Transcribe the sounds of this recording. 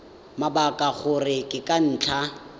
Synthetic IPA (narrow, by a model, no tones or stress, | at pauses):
mabakʼaɣʊrɪkʼɪkʼan̩ːt͡ɬʰa